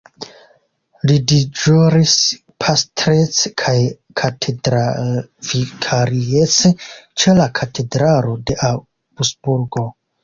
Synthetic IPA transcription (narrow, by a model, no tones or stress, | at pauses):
lidid͡ʒoɾis | pʰastɾet͡skʰaj | kʰatʰedɾavikʰaɾiet͡set͡ʃe̞lakʰatʰe̞dɾalo̞de̞ʔa | busbuɾɡo̞